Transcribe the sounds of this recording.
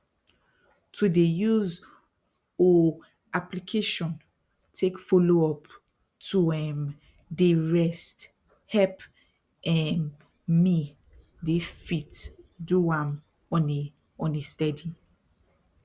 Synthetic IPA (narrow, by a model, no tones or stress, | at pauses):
tʰudejuz | o | aplikʰeʃɔ̃n | tʰekfoloɔp | tʰuɛ̃m | deɹɛst | hɛp | ɛ̃n | mi | defitduãm | ɔ̃ne | ɔ̃nestɛdi